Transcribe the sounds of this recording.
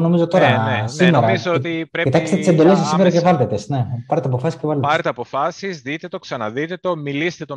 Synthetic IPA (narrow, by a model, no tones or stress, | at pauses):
no̞mizo̞t̪o̞ɾɐsimeɾɐizoot̪iɾeit̪ɐki̥st̪et̪ised̪o̞lessːimeɾɐkevɐlðet̪esne̞pɐɾet̪eɐpo̞fɐsiscevɐletpɐɾet̪eɐpofɐsizðit̪e̞t̪o̞ksɐnɐðit̪e̞t̪o̞milist̪et̪o